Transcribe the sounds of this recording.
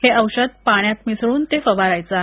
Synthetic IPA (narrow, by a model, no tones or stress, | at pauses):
heəwɕəd̪̚paɳ̃jat̪misɽuːnt̪efəʋaɾajt͡sa